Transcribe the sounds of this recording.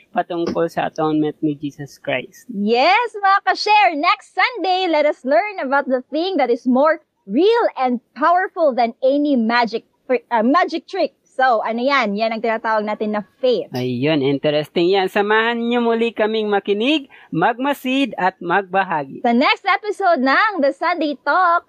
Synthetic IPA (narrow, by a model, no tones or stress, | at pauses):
pɐt̪ʊŋkolsɐɐ̰t̪onmɛnt̪̚nɪd͡ʒiːsɐskɹa̰jst̪jɛslakɐʃɛɹnɛkst̪sɐ̃nd̪ejlɛt̪ɐslɛɹnɐbawt̪̚d̪ɐθɪ̃ŋðɐt̪ɪsmoɹ | ɹilɛ̃nd̪̚pʰawəɹfʊlˠðɐ̃nɛnimad͡ʒɪk̚tɪmad͡ʒɪk̚t̪ɹɪk̚sowʔɐnojanjanɐŋt̪ɪnaːt̪aːwɐɡ̚naːt̪ɪnːɐfejθɐjːonʔɪnt̪ɛɾɛst̪ɪŋjansɐmaːhɐnɲomʊlikɐmiŋmɐkɪnɪɡ̚mɐɡ̚mɐsid̪ɐt̪̚mɐɡ̚bɐɦaːɡiɐnɛkst̪ɛpɪsod̪̚nɐŋd̪ɐsɐ̃nd̪ejt̪ɔk̚